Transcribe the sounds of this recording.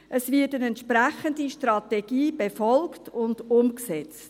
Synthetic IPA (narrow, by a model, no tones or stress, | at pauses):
ʔəsvɪtənɛntʃpræχəndiʃtrɑtɛɡiːb̥efɔlktʊndʊmksɛt͡st